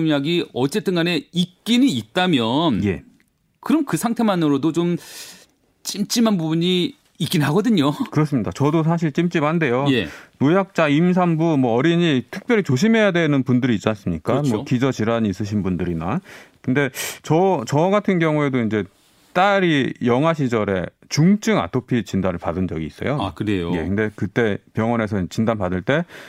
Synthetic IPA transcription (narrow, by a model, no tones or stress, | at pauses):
mjaɡiʌt͡ɕ͈e̞t͈ɯnɡane̞ik̚k͈iniːt̚t͈amjʌnje̞̰ | kɯɾʌmkɯsʰaŋtʰe̞manɯɾodot͡ɕom | t͡ɕ͈imt͡ɕ͈imɦanbubuɲiː | k͈innɦaɡʌdɯɲokɯɾʌs̬͈ɯmɲidat͡ɕʌdos̬ʰaɕ̬ʰiɭt͡ɕ͈imt͡ɕ͈imhande̞joje̞̰nojak̚t͡ɕ͈aims̬ʰambumwʌʌɾiɲitʰɯ̥k̚p͈jʌɾit͡ɕoɕ̬ʰimɦe̞jadwe̞nɯnpundɯɾiːt͡ɕ͈anas͈ɯmɲik͈amʌkid͡ʑʌt͡ɕiɾaɲiːs͈ɯɕʰinbundɯɾinakɯnde̞t͡ɕʌt͡ɕʌɡatʰɯnɡjʌŋuedoind͡ʑe̞ | t͈aɾijʌŋɦaɕʰid͡ʑʌɾe̞̰ | t͡ɕuŋt͡ɕ͈ʰɯŋa̰tʰopʰit͡ɕindanɯɭpadɯnd͡ʑʌɡiːs͈ʌjoakɯɾejoje̞̰kɯnde̞kɯt͈e̞pjʌŋʌne̞s̬ʰʌind͡ʑet͡ɕindanpadɯɭt͈e̞